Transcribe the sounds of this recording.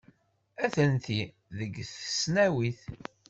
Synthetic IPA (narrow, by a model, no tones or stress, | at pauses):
æθənt̪i | ðəɡθə̥snæwiθ